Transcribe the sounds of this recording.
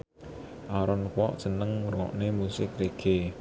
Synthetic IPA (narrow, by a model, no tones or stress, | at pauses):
ʔaɾɔnkɔ̰ʔd̥ʒ̥ə̤nəŋuɾŋɔ̰ʔnemusɪk̚ɾeɡ̥e